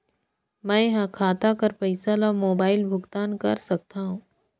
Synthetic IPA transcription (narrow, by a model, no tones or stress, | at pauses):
mɛ̃ːɦãkʰaːt̪akɐɾfɛɪsalamoːbaːɪlbʱʊɡt̪aːnkɐ̰ɾsɐk̚t̪aɦũː